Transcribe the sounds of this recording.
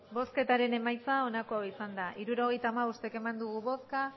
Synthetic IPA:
bo̞ske̞t̪aɾe̞ne̞majt͡sao̞nako̞awisand̪aʔiɾuɾo̞ɣ̞e̞jt̪aːmaust̪eke̞mand̪uɣ̞uβo̞ska

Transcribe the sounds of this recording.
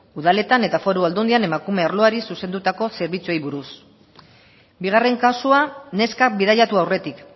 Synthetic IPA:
uðale̞t̪ane̞t̪afo̞ɾuald̪und̪iane̞makume̞aɾloaɾisusend̪ut̪ako̞se̞ɾβit͡sue̞jβuɾus | biɣ̞are̞ŋkasuane̞skabiðaʎat̪uawre̞t̪ik

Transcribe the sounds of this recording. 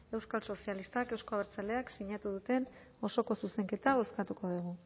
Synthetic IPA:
e̞wskalso̞sialist̪ake̞wsko̞aβeɾt͡sale̞aksiɲat̪uðut̪e̞n | o̞so̞ko̞suse̞ŋke̞t̪ao̞skat̪uko̞ðuɣ̞u

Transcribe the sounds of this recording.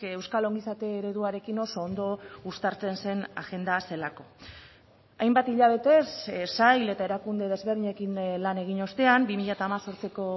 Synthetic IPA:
e̞wskalo̞ŋɡisat̪e̞ːɾe̞ðuaɾe̞kino̞so̞ːnd̪o̞ust̪aɾt͡se̞nse̞na̰ɣe̞nd̪ase̞lako̞ | ajmbat̪iʎaβ̞e̞t̪e̞ssajle̞t̪ae̞ɾakund̪e̞ð̞e̞zβeɾðiɲe̞kinlane̞ɣ̞iɲo̞st̪e̞ambimiʎat̪aːmaso̞ɾt͡se̞ko̞

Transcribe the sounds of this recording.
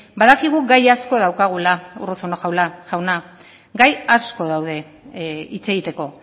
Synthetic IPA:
baðakiɣ̞uɡajasko̞ðawkaɣ̞ulaṵruθonoʝawlaʝawna | ɡajasko̞ðawð̞e̞ | it͡se̞ɣit̪e̞ko̞

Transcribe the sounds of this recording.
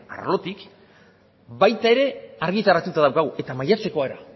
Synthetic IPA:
a̰ɾlo̞t̪ik | bajt̪ae̞ɾe̞aɾɣit̪aɾat̪ut̪aðawkaɣuʔe̞t̪amajat͡se̞ko̞aeɾa̰

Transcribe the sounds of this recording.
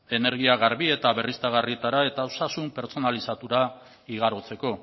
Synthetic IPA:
e̞ne̞ɾɣ̞iaɣ̞aɾβie̞t̪aβe̞rist̪aɣarit̪aɾae̞t̪aosasumpe̞ɾt͡so̞nalisat̪uɾa | iɣ̞aɾot͡se̞ko̞

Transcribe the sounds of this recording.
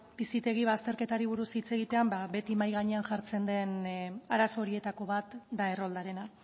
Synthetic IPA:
b̥isit̪e̞ɣ̞iβast̪e̞ɾke̞t̪aɾiβ̞uɾusit͡se̞ɣ̞it̪e̞ambaβe̞t̪imajɣaɲe̞anʝaɾt͡se̞nd̪e̞naɾaso̞ɾie̞t̪ako̞βat̪d̪ae̞ro̞ld̪aɾe̞na

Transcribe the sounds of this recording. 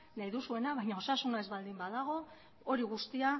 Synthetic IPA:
najðusue̞naβajɲao̞sasunae̞zβald̪imbaðaɣ̞o̞ | o̞ɾiɣust̪ia

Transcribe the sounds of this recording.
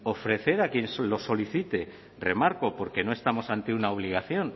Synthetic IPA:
o̞fɾe̞θe̞ɾakje̞nslo̞so̞liθit̪e̞ | re̞maɾko̞po̞ɾke̞no̞est̪amo̞sant̪eunaoβ̞liɣ̞aθjo̞n

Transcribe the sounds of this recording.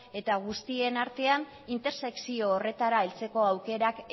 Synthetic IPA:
e̞t̪aɣ̞ust̪ie̞naɾt̪e̞an | int̪e̞ɾse̞ksio̞ːre̞t̪aɾaelt͡se̞ko̞awke̞ɾak

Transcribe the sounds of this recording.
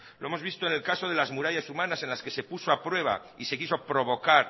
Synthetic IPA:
lo̞emo̞zβist̪oene̞lkaso̞ð̞e̞lazmuɾaʝasumãnase̞nlaske̞se̞puso̞apɾwe̞β̞a̰ | ise̞kiso̞pɾo̞βo̞kaɾ

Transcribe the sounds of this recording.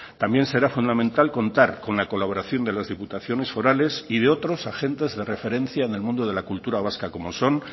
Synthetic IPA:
t̪ambje̞nse̞ɾafund̪amẽnt̪alko̞nt̪aɾko̞nlako̞laβ̞o̞ɾaθjo̞nd̪e̞lazðiput̪aθjo̞ne̞sfo̞ɾale̞siðe̞o̞t̪ɾo̞saxe̞nt̪e̞zðe̞re̞fe̞ɾe̞nθjaene̞lmũnd̪o̞ð̞e̞lakult̪uɾaβ̞askako̞mo̞so̞n

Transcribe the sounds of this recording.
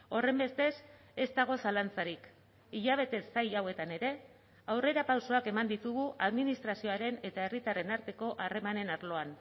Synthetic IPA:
o̞re̞mbe̞st̪e̞s | e̞st̪aɣ̞o̞salant͡saɾik | iʎaβ̞e̞t̪e̞sːajawe̞t̪ane̞ɾe̞ | awre̞ɾapawso̞ake̞mand̪it̪uɣ̞uʔaðminist̪ɾasio̞aɾe̞ne̞t̪ae̞rit̪are̞naɾt̪e̞ko̞ʔare̞mane̞naɾlo̞an

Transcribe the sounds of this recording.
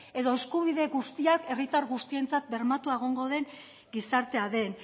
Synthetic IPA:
e̞ðo̞e̞skuβ̞iðe̞ɣust̪iake̞rit̪aɾɣust̪ie̞nt͡sat̪̚be̞ɾmat̪uaeɣ̞o̞ŋɡo̞ðe̞ŋ | ɡisaɾt̪e̞aðe̞n

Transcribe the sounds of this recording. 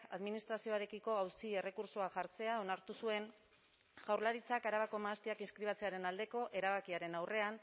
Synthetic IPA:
aðminist̪ɾasio̞aɾe̞kiko̞awsie̞re̞kuɾsoaʝaɾt͡se̞ao̞naɾt̪usue̞n | ʝawɾlaɾit͡sakaɾaβ̞ako̞maːst̪iakinskɾiβ̞at͡se̞aɾe̞nald̪e̞ko̞ʔe̞ɾaβ̞akiaɾe̞nawre̞an

